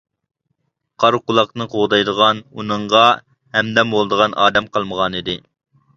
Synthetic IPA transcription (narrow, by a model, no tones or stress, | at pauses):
qʰɑɾqʊlˠɑqnɨqʰoʁd̪ɑjd̪əʁɑnunɨɴʁɑ | hɛmd̪ɛmbolˠd̪əʁɑnʔɑ̰ːd̪ɛmqʰɑlˠməʁɑnid̪ɪ